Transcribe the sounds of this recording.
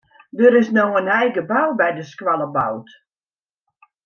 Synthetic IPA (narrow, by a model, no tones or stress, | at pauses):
dəɾɪsnɔxənɛjɡəbawbɛjdəskwalˠəbawt